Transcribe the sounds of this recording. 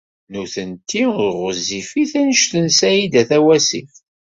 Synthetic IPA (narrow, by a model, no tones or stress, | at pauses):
nuθənt̪ːiʊɾʁəzifiθænəʃθənsæjid̪æθæwæsif